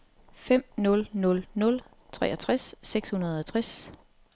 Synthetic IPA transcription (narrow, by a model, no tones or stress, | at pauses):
fem̰nɔ̽lnɔ̽lnɔ̽l | t͡sʰʁɛ̰ːɒt͡sʰʁasːeɡ̥shunɐð̞̩ˠɒt͡sʰʁas